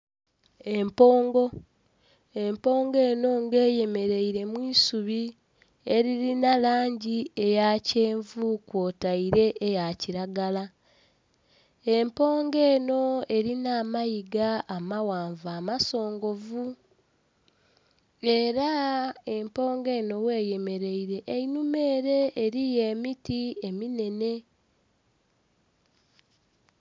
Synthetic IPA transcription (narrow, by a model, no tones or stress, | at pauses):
e̞mpoːŋɡo̞ | e̞mpo̞ːŋɡe̞ːno̞ŋɡe̞ːje̞me̞ɾe̞iɾe̞mwiːsuβi | e̞ɾiɾinalaːɲɟie̞jace̞ːɱvukwoːtaiɾe̞ʔejaciɾaɡala | e̞mpo̞ːŋɡe̞ːno̞e̞ɾinaːmajiɡaːmawaːɱvaːmaso̞ːŋɡo̞vu | e̞ɾae̞mpo̞ːŋɡe̞ːno̞we̞ːje̞me̞ɾe̞iɾe̞ʔːinume̞ːɾe̞ʔːɾije̞ːmitiemine̞ne̞